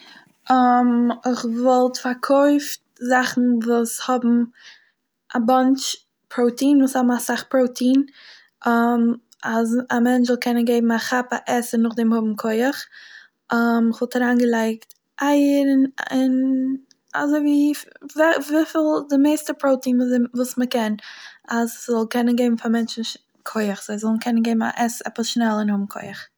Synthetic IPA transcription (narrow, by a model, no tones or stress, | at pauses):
amɪχvɔlˠtfaɾkʰoɪft̚ | zaχn̩vuːshɔbm̩ | ʔabant͡ʃ | pʰɾoʊtiːnvuːshɔbm̩asaχpɾoʊtʰiːn | am | azamɛnt͡ʃvɪlˠkʰɛnənɡeɪbm̩aχapaʔɛsənʊχdɛmhʊbm̩kʰɔɪəχ | ʔɔmɪχvɔlˠtaɾaːnɡəlˠaɪkt | ʔaɪəɾɪnɪn | a̰zoɪviːvɛvifɪlˠdɪmeɪstəpɾoʊtiːnvuːvuːsməkɛnaszɔlˠkʰɛnənɡeɪbm̩famɛnt͡ʃn̩ | kʰoɪəχz̥oɪzɔlˠn̩kʰɛnənɡeɪbm̩a̰ʔɛsɛ̰pəsʃnɛlˠɪnhʊbm̩kʰoɪəχ